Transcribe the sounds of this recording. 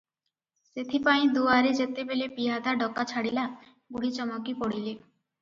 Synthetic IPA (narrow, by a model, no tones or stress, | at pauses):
set̪ʰipaj̃d̪uaɾed͡ʑet̪ebelepiɦad̪aɖɔkːat͡ʃʰaɽila | ɡuɽit͡ɕɔmɔkipoɽile